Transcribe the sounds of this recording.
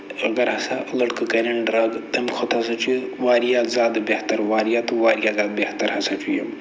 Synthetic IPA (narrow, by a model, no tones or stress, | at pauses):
əɡɐɾɦɐsaʔlɐʈkɨkɐɾɐɳɖɾaɡt̪ɐmkʰot̪ʰɐs̬at͡ʃuʋaːɾijazaːd̪beht̪ɐɾʋaːɾijat̪uʋaːɾijazaːd̪̚beht̪ɐɾɦɐsat͡ʃujḛm